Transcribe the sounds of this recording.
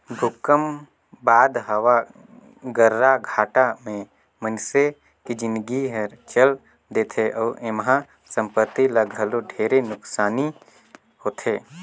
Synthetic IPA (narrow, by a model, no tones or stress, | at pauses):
bʱʊkəm | baːd̪ɦɐʋa | ɡəɾːaɡʱaːʈamẽ | mənse | kid͡ʒɪ̃nd̪ɡiɦɛɾt͡ʃəl | d̪eːt̪ʰeʔɔːɾʔemɦã | sə̃mpət̪ːiləɡʱəloɖʱeːɾenʊksaːni | hoːt̪ʰeː